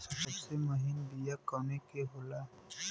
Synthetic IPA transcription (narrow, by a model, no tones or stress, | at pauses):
səbəbseməɦɪnd̪ijakɔːnekeɦola